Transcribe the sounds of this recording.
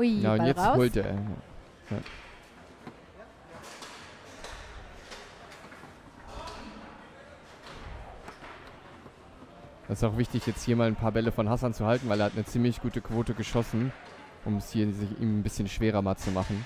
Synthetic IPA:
naʊntjɛt͡sthʊltḛːɐja̰ː | ja̰ː | d̥asɪsaʊxv̥ɪçtɪçjɛt͡sthiːɐmaːlnpʰaːɐbɛləfɔnɦasant͡suhaltn̩vaɪleɐhatnət͡siːmlɪçɡ̥uːtəkv̥oːtəɡəʃɔsn̩ | ʔʊmɛshiːɐzɪçʔḭːmnbɪsçənʃv̥eːʁɐmaːlt͡sumaχn̩

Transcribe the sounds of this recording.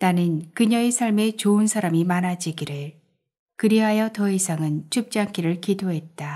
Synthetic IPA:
tanɯnkɯɲʌesʰaɭme̞t͡ɕoɯnsʰaɾamimanad͡ʑiɡiɾɯɭ | kɯɾiɦajʌtʌisʰaŋɯnt͡ɕʰup̚t͡ɕ͈aŋk͈ʰiɾɯɭkidoɦe̞t̚t͈a

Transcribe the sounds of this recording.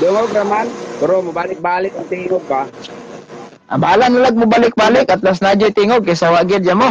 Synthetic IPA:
d̪ʊŋoɡɾamanpɛɾomʊbaːlɪk̚baːlɪkaŋt̪ɪiŋoɡ̚ba | ʔa̰baːlanːalaɡ̚mʊbalɪk̚baːlɪkat̪las̬nad͡ʒojt̪ɪŋoɡ̚kajsawaɡɪdd͡ʒamo

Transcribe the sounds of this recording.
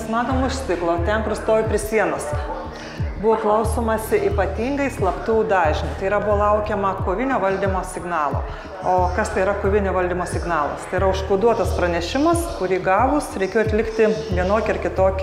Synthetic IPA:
smɑːt̪oːmʊʃʲsʲɪklˠoːt̪ʲɛŋkʊɾst̪oːʋʲɪpʲɾʲɪsʲiɛnɐs | bʊʋoːklˠɐʊsoːmɐsʲɪʔiːpɐt̪ʲiːŋɡɐɪslˠɐpt̪uʊd̪ɑːʒʲɪnʲɐɪst̪ɐɪiɾɐbʊʋoːlˠɐʊkʲɛmɐkoʋʲɪnʲoːʋɐlʲd̪ʲimoːsʲɪɡnɑːlˠo̰ː | oːkɐst̪ɐɪɪɾɐkʊʋʲɪnʲoːʋɐlʲd̪ʲimoːsʲɪɡnɑːlˠɐ̰st̪ɐɪɾɐʊʃskɐʊd̪uɔt̪ɐspɾɐnʲɛʃʲɪmɐskʊɾʲiːɡɑːʋʊsɾʲɛɪkʲeːjoɐt̪lʲɪkt̪ʲɪʋʲiɛnoːkʲɪɪrkʲɪt̪oːkʲ

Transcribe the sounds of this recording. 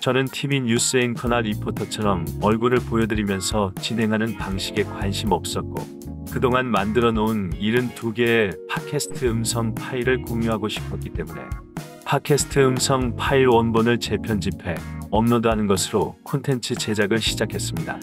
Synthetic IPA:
t͡ɕʌnɯntʰiminjus͈ɯenkʰʌnaɾipʰotʰʌt͡ɕʰʌɾʌmʌɭɡuɾɯɭpojʌdɯɾimjʌnsʰʌt͡ɕinɦe̞ŋɦanɯnpaŋɕʰiɡe̞kwanɕʰimʌp̚s͈ʌt̚k͈o̰ | kɯdoŋanmandɯɾʌnouniɾɯntuɡe̞ːpʰakʰe̞sʰɯ̥tʰɯɯmsʰʌŋpʰaiɾɯɭkoŋjuɦaɡoɕʰi̥pʰʌt̚k͈it͈e̞mune̞̰ | pʰakʰe̞sʰɯ̥tʰɯɯmsʰʌŋpʰaiɾwʌnbonɯɭt͡ɕe̞pʰjʌnd͡ʑipʰe̞ʌmnodanɯnɡʌsʰɯɾokʰontʰe̞nt͡ɕʰɯt͡ɕe̞d͡ʑaɡɯɭɕʰid͡ʑakʰe̞s͈ɯmɲida̰

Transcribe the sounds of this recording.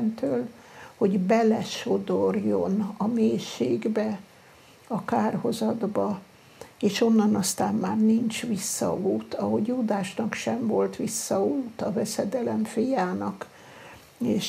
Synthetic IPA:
nt̪øːl | ho̞ɟbɛlɛʃo̞d̪o̞rjo̞nɒmeːʃeːɡbɛ | ɒkaːrho̞zɒd̪bɒ | eːʃo̞nːɒnɒst̪aːmːaːrnint͡ʃʋisːɒ̰uːt̪ɒɦo̞ɟjuːd̪aːʃnɒkʃɛɱvo̞lt̪ʋisːɒuːt̪ɒvɛsɛd̪ɛlɛɱfijaːnɒk | eːʃ

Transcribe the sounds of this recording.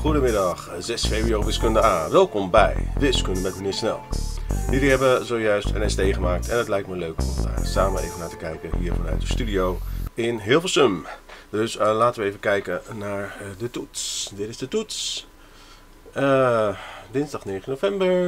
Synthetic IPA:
χudəmɪdɑχzɛsfejbrioːʋɪskøndəaːʋɛlˠkɔmbɛ̰jʋɪskøndəmɛtməniːɹsnɛ̰lˠdiɾiɦɛbʋəzoːjœɥstə̰nɛstejχəmaːk̚tʰɛ̰ndɔtlɛjk̚tməløːkɔ̰mə̰saːməḛːvənlaːtəkɛjkəɦiːɹfonœ̰ɥtəstydijowɪnɦɪːəlˠfeːlˠsømdøslaːtənʋəeːvənkɛjkənaɹdətutsdɪtɪzdətuts | dɪnzdɑχneːχənofɛmbəɹ

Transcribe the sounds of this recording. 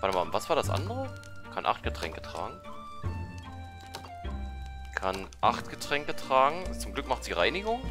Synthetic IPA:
vatəmaːvasv̥aːɐdasʔa̰ndəʁə | kʰanʔa̰χt̚ɡ̥ətʁ̥ɛ̰ŋkə̥tʁ̥a̰ːɡŋ̩ | kʰanʔaχtɡ̥ətʁ̥ɛŋkətʁ̥aːɡŋ̩t͡sʊmɡlʏkmaχtiːʁaɪnɪɡʊŋ

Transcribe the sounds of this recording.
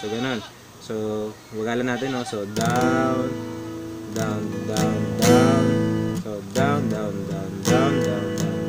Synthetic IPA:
soɡɐno̞n | sowɐɡaːlɐnaːt̪ɪnːosod̪awn | d̪awnd̪awnd̪awnsod̪awnd̪awnd̪awnd̪awnd̪awnd̪an

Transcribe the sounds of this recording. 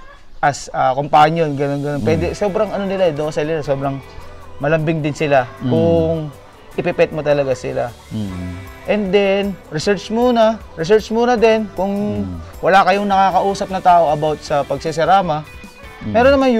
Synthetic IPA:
ʔɐsɐkompaːɲjonɡɐno̞nɡɐno̞npwɛːd̪ɛso̞ːbɾɐŋɐno̞nɪlaɛd̪oksɛlɪlaso̞ːbɾɐŋmɐlɐmbɪŋd̪ɪnsɪlakʊŋ | ʔɪpɪpɛt̪̚mot̪ɐlɐɡasɪ̰la̰ | ʔɛnd̪ɛnɾɪsɛɹt͡ʃmuːnɐ | ɾɪs̬ɛɹt͡ʃmuːnɐd̪ɛnkʊŋwɐlaːkɐjoŋnɐkaːkɐʔuːsɐp̚nɐt̪aːʔo̞ʔɐbawt̪̚sɐpɐɡ̚sɪs̬ɛɾaːmɐ | mɛːɾonːɐman

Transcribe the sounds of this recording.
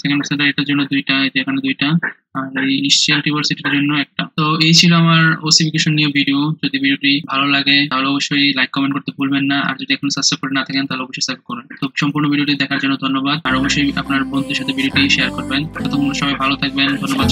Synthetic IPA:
t̪ʰakensed̪aɾiʈeɾd͡ʑonːod̪ujʈad͡ʑekʰaned̪ujʈa | aɾejisʈialʈibaɾsiʈiɾd͡ʑonːoɛk̚ʈat̪oejt͡ɕʰiloamaɾosifʰikeʃonːiebiɖiod͡ʑod̪ibiɖioʈibʱalolaɡeaɦoleɔboʃːojlajkːɔmẽɳʈkoɾt̪ebulbenːaa̰ɾd͡ʑod̪iɛkʰonosasɾep̚koɾenat̪ʰakent̪aɦoleɔboʃːojsafikɔɾbent̪obʃɔmpuɾnobiɖioʈid̪ɛkʰaɾd͡ʑonːod̪ʱonːobad̪̚aɾɔboʃːojapnaɾbont̪uʃat̪ʰebiɖioʈiʃeaɾkoɾbenkʰɔt̪ʰokunoʃɔbjbʱalot̪ʰak̚bend̪ʱonːobad̪̚

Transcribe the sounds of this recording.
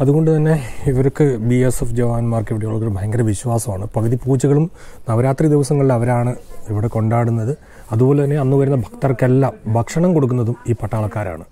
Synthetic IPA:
ɐðuɣo̞ɳɖɨt̪ɐnːe̞iʋɐɾkːɨbiesefd͡ʑɐʋaːnmaːrkiʋiɽeuɭɐkːoɾɨbʱɐjɐŋɡɐɾɐʋiɕwaːsɐmaːɳɨpɐɣɐðipuːd͡ʑɐɣɐɭumnɐʋɐɾaːt̪rid̪iʋɐsɐŋːɐɭilɐʋɐɾaːɳɨiʋiɽeko̞ɳɖaːɽunːɐðɨ | ɐðubo̞ːle̞t̪ɐnːe̞ɐnːuʋɐɾunːɐbʱɐkt̪ɐrkelːambʱɐkʂɐɳɐmko̞ɽuk̬ːunːɐðumiːpɐʈːaːɭɐkːaːɾa̰ːɳɨ

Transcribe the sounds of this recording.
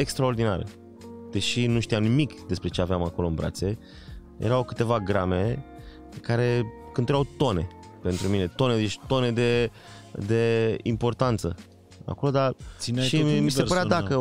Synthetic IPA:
e̞kst̪ɾao̞rd̪ina̰ɾḛ | d̪̥e̞ʃinuʃt̪iamnimikd̪e̞spɾe̞t͡ʃe̞aveamako̞loɨnbɾa̰t̪se̞ | jʔḛɾawkɨ̥t̪e̞vaɡɾame̞ | kaɾe̞kɨnt̪uɾawt̪o̞ne̞̰ | pe̞nt̪ɾumine̞t̪o̞ned̪et͡ʃt̪o̞ne̞d̪e̞ | d̪e̞impo̞rt̪ant̪sə | a̰ko̞lo̞d̪aʃimisepəɾad̪akə

